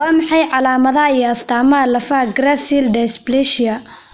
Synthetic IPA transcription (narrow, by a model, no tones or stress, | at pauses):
wɑːmɑħɑjʕɑlaːmɐðɐijɐst̪ʰaːmalɐfaɡrasild̪ɛsblɛʃɪɐ